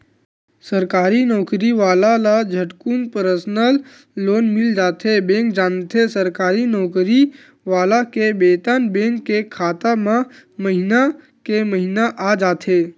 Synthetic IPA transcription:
səɾkaːɾinɔːkɾiʋaːlalad͡ʒʱəʈkunpəɾəsnəlː | oːnmɪld͡ʒaːt̪ebẽːŋkd͡ʒaːnt̪ʰesəɾkaːɾinɔːkɾi | ʋaːlakebeːt̪anbẽːŋkːekʰaːt̪amãməɦina | keməɦinaʔad͡ʒaːt̪ʰeː

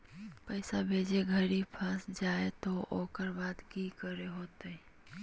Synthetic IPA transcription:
pəɪsabʱeːd͡ʒeɡʱəɾipʰə̃sd͡ʒaːet̪oʔoːkəɾbaːd̪kikəɾeɦoːt̪ei

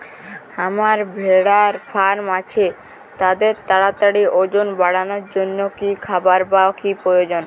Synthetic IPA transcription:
amaɾbʱeɽaɾfaɾmat͡ɕʰe | t̪ad̪eɾt̪aɽat̪aɽiʔod͡ʑonbaɽanoɾd͡ʑonːokikʰabaɾbakipɾojod͡ʑon

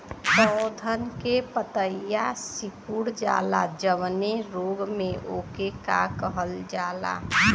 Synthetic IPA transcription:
sɔd̪ʱənkepət̪əijasikuɽd͡ʒa̰ːlad͡ʒəʋneɾoɡmeʔoːkekakəɦəld͡ʒaːla̰

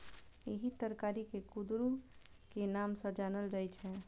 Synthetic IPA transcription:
eɦit̪əɾkaːɾikekud̪ɾu | kenaːmsəd͡ʒaːnəld͡ʒajt͡ʃʰɛ̃

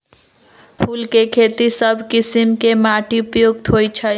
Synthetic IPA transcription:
pʰulkekʰet̪isəbʱkisimkemaʈiupəjuɡ̚t̪ɦojt͡ʃʰə

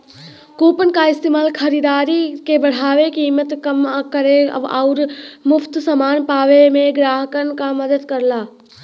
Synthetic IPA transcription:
koːpənkaɪst̪eːmaːlkʰəɾiːd̪aːɾikebəɽ̤aːʋekimət̪kəmkəɾeə̰ba̰ʊɾmʊpʰt̪səmaːnpaːʋemẽɡɾaːɦəkənkaməd̪əd̪kəɾlaː

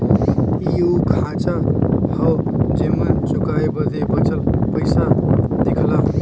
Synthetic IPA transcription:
jukʰat͡ʃahəwd͡ʒemənt͡ʃukajbəd̪ebət͡ʃəlpəjsad̪ekʰla

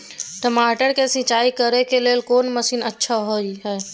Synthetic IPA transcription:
ʈəmaːʈəɾkesɪ̃t͡ʃaːikəɾekeleːlkoːnməsiːnətːʃʰaɦoiɦɛe

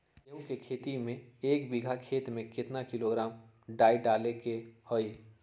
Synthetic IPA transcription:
eukekʰeːt̪imẽeːkbiɡʱakʰeːt̪mẽkɪt̪nakɪloɡɾaːm | ɖaːiɖaːlekehoːi

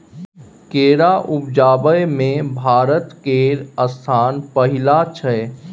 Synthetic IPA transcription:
keːɾaʔʊpd͡ʒaːbəjmẽbʱaːɾət̪keːɾəst̪ʰaːnpəɦɪlat͡ʃʰə

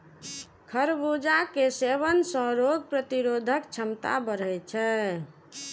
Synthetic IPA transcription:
kʰəɾbud͡ʒakeseβənsə̃ɾoɡpɾət̪iɾod̪ʱəkt͡ʃʰəmt̪a̰bəɾ̤ət͡ʃʰɛ

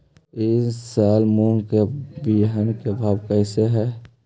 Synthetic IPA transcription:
eːsaːlmoːŋkebiɦənkebʱaːbkɛːseɦɛː

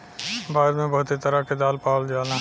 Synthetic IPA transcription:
baːɾmẽbəɦʊt̪et̪əɾaked̪aːlpaːld͡ʒaːnã

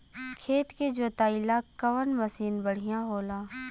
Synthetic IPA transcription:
kʰeːt̪ked͡ʒoːt̪aːilakəʋənməsiːnbəɽ̤ijãɦoːlaː

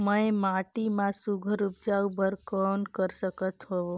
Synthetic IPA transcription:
məemaʈimãsuɡʱəɾup̚d͡ʒawbəɾkɔnkəɾsəkət̪ɦɔʋo

